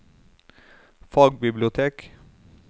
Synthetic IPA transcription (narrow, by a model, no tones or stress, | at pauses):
fɑːɡbɪblɪʊt̪ʰeːk